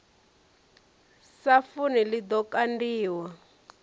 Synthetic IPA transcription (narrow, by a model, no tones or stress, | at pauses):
safunilid̪ɔkandiːwa